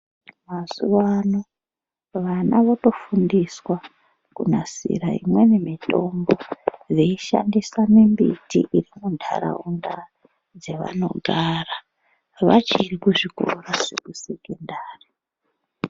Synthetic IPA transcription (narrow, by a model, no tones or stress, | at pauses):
masuʋano | ʋanaʋoto̞fundiswa | kunasḭɾaḭmwe̞nemito̞mbo̞reiʃa̰ndisamimbitḭʔiɾimuntʰa̰ɾa̰unda | d͡ze̞ʋa̰no̞̰ɡʱara | ʋat͡ʃirikuʐiko̰rasekusekendaːri